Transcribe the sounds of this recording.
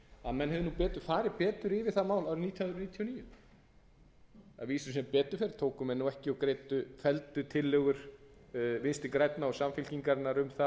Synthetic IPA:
aðmɛnɦɛvðɪnupɛːt̪ʏ̥faːɾɪpɛːt̪ʏɾɪvɪð̥θamaːwlawɾɪniːt̪ʰjhaðɾniːt̪ʰijɔniːjʏ | a̰viːsʏsɛmpɛːt̪ʏɾfɛɾɪ̥t̪ʰoːwkʏmɛnːuɛhcɪɔkɾejt̪ʏfɛlt̪ʏt̪ʰɪlːɛœɣʏɾ̥ | vɪnst̪ɪkɾɛjt̪naɔsamfɪlciŋkaɾnaɾʏmθa

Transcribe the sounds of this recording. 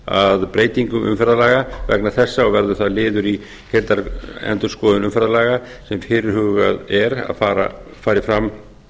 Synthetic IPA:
a̰ðpɾeːjt̪iŋkʏmʔʏ̰mfɛɾðalaːɣavɛ̰knaθɛsːaɔvɛɾðʏθaðlɪːðʏɾi | hɛlt̪aɾɛ̰nt̪ʏ̥skɔːðʏnʏmfɛɾðalaːɣa | sɛmfɪɾɪɾ̥hʏːɣaðɛɾa̰ðfaːɾa̰faːɾɪfɾamː

